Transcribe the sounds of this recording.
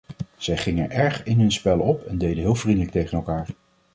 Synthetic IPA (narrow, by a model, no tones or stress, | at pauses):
z̥ɛjχɪŋəɹʔɛɹχɪnɦɵnspɛlɔpɛndejdəɦɪːlˠvrindələk̚tejχənɛlˠkaːɹ